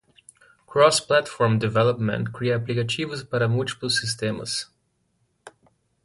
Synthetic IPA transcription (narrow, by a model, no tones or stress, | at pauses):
kɾɔsplat̪fɔɹmd̪ivɛlopmɛ̰̃nt̪kɾijaːplikɐt͡ʃivəspɐɾamult̪i̥pəlˠsist̪emə̰s